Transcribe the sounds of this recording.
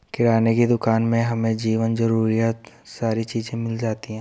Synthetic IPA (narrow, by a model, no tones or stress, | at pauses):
kɪɾaːnekid̪ʊkaːnmẽɦɐmẽd͡ʒiːʋənzɐɾuːɾijaːt̪ | saːɾit͡ʃiːzẽmɪld͡ʒaːt̪iɦɛ̃ː